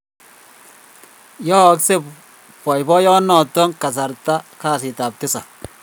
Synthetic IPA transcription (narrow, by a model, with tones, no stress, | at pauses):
jɔ˦kse˦ | pɔ˨jbɔ˦jɔ˦nɔ˨tɔ˦ŋka˨s̬a˨ɾta˦kaː˦˨sɪ˨ta˨p̚tɪ˦sa˨